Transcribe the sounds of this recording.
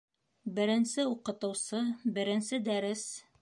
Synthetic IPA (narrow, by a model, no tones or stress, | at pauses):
bɘ̆ɾɘ̆nsɘuqɤ̆t̪ɤ̆wsɤbɘ̆ɾɘ̆nsɘd̪æɾɘs